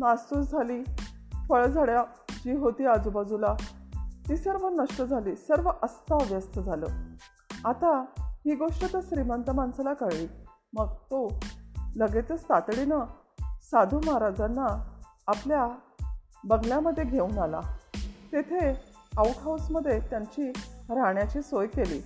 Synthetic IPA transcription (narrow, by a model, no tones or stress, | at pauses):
nasusd͡zʱaliː | fəɭd͡zʱaɭja | d͡ʑiːɦot̪iːad͡zubad͡zulat̪isjaɾməɡnəʂʈəd͡zʱaliːsəɾʋəʔəst̪aʋjəst̪əd͡zʱalə̰ | at̪aɦiːɡoʂʈət̪əɕɾimənt̪əmansalakəɾɭiː | məɡ̚t̪o | ləɡet͡s̪əst̪at̪ɽina | sad̪ʱuːmaɦaɾad͡zanːaː | plja | bəɡʱljaməd̪ʱːjeɡʱeuːnala̰t̪et̪ʰeauʈɦawsməd̪ʱːjet̪jaɲt͡ɕiɾaɳjat͡ɕiːsojkelḭː